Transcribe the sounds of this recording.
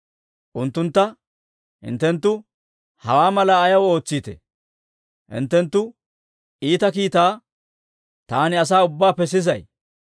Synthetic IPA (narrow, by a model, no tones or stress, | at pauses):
ʔʊnt̪ːʊnt̪ːɐ | hɪ̰nt̪ːɛnt̪ːʊ | hɐwaːmɐlaːjɐwo̞ːt͡sːiːt̪ɛ̰ | ʔɪ̰nt̪ːɛnt̪ːʊ | iːt̪ɐkiːt̪aː | t̪aːnɪɐs̬aːʊbːaːpɛs̬ɪzɐj